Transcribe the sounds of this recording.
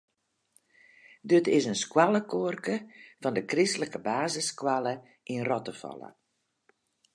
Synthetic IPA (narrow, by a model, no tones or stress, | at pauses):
dətɪsənskwaləkoərkəfɔndəkristləkəbaːzəskwalə | ʔinrɔtəfɔ̰lˠə̰